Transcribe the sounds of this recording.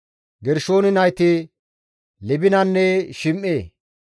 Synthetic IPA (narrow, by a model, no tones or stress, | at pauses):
ɡɛɾʃo̞ːnɪnɐjt̪ɪ | lɛbɪnɐnːɛʃɪmʔːeː